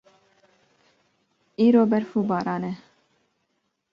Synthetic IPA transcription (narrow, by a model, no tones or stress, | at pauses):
iːɾoːbɛɾfuːbɑːɾɑːnɛ